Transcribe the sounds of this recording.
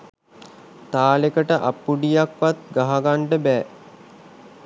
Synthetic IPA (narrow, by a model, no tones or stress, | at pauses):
t̪aːlekəʈəʔapːuɖijakʋat̪ɡaɦaɡaɳʈəbɛː